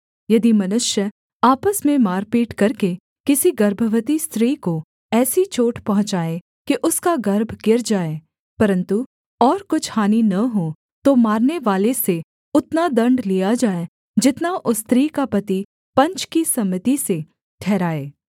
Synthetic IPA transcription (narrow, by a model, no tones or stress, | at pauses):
jɐd̪imɐnʊʃjə | aːpəsmẽmaːɾpiːʈkɐɾke | kɪsiɡɐɾbʱəʋət̪ist̪ɾiːko | ɛːsit͡ʃoːʈʰpɐɦʊ̃t͡ʃaːe | kiʔʊskaɡɐɾbʱɡɪɾd͡ʒaːeː | pɐɾə̃nt̪u | ɔːɾkʊt͡ʃʰhaːninɐɦo | t̪omaːɾneʋaːlese | ʊt̪nad̪ɐ̃ɳɖlijad͡ʒaːe | d͡ʒɪt̪naʔʊst̪ɾiːkapɐt̪i | pɐ̃ɲt͡ʃkisɐmɪt̪ise | ʈʰɛːɾaːeː